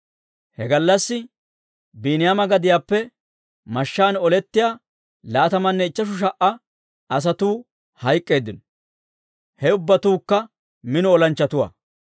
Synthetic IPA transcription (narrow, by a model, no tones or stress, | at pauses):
hɛɡɐlːɐsːɪ | biːnɪjamɐɡɐd̪ɪjaːpːɛ | mɐʃːaːnɔlɛt̪ːɪjaː | laːt̪ɐmɐnːɛɪt͡ʃːɐʃ̬ʊʃ̬ɐʔɐ | ɐs̬ɐt̪uː | hɐjkʼːe̞ːd̪ːɪnɔ | hɛʊbːɐt̪uːkːɐ | mɪnɔɔlɐnt͡ʃːɐt̪ʊwa̰ː